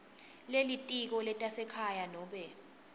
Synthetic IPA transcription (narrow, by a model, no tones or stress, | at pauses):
lelitʼik̬ɔlɛtʼasɛkʰajanɔːɓɛ